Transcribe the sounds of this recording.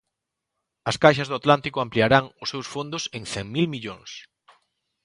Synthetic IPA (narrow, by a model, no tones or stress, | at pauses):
ɐskajʃ̬ɐzðʊat̪lant̪ikʊampliaɾaŋʊsːewsfond̪ʊsẽŋθɛŋmilmiʎoŋs